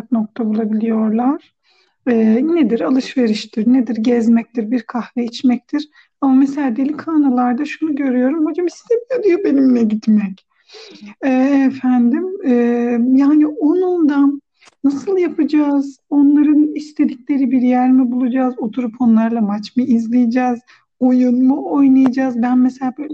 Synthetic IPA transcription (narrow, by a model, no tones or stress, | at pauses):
k̚no̞k̚t̪ʰabulˠabilʲijo̞ɾlˠaɾ̥ | ɛːned̪iɾalˠɯʃve̞ɾiʃt̪ʰiɾned̪iɾɟɛzmɛc̚t̪ʰiɾbiɾkʰahvɛit͡ʃmɛc̚t̪ʰiɾ̥ | amameselʲaːd̪elʲikʰaːnalˠaɾd̪aʃunuɟø̞ɾyjo̞ɾumho̞d͡ʒamist̪ʰebilɛd̪ijobe̞niminɛɟit̪mɛc | ɛːfænd̪imɛːjaːniʔonund̪an | nasɯlˠjapʰɯd͡ʒaːz | o̞nlˠaɾɯnist̪ʰe̞d̪icʰʲlʲe̞ɾibiɾjæɾmibulˠud͡ʒaːzo̞t̪ʰuɾupʰo̞nlˠaɾlˠamat͡ʃmɯizlʲˠijid͡ʒaːz | o̞junmuo̞jnˠajad͡ʒaːzbænmese̞lʲaːbølʲ